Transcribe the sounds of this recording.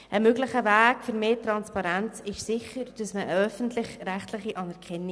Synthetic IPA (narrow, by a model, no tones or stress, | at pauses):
ʔəmøɡlɪχəvæːkfʏɾmeːtɾɑnspɑɾænt͡sɪʃsɪχəɾd̥ɑsməəœfəntlɪχɾæχtlɪχiʔɑnɛɾkʰɛnːi